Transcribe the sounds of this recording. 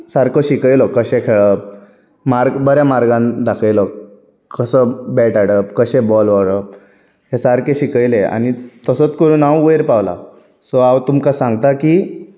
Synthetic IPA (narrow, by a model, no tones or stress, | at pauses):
saɾkoɕikəjlɔkəɕẽkʰeɭəp̚ | maɾɡbəɾjamaɾɡãnd̪akʰəjlɔ | kəsəbɛʈaɽəpkəɕebɔlʋəɭəp̚ | ɦesaɾkeɕikəjlea̰ñit̪əsət͡skəɽunawəjɾpawla̰ | sɔawt̪umkasãŋɡt̪akiː